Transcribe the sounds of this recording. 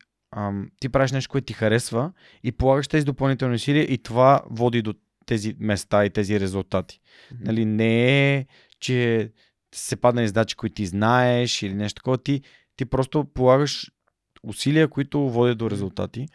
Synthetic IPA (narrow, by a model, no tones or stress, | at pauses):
əmt̪ipɾaviʃnɛʃt̪okʊɛt̪ʊt̪ixɐɾɛsvə | ipolˠaɡəʃt̪ɛzid̪opɐlˠnit̪ɛlˠniʊsiliəʔit̪ovavɔd̪id̪o | t̪ɛzimɛst̪ait̪ɛziɾɛzulˠt̪at̪i̥ | nɐlinɛɛ | t͡ʃɛ | sɛpad̪nɐizd̪at͡ʃi̥koit̪t̪iznaɛʃilinɛʃt̪ot̪əkɔvət̪i | t̪ipɾɔst̪opolˠaɡəʃ | usiliəkoit̪ʊvɔd̪id̪oɾɛzulˠt̪a̰t̪i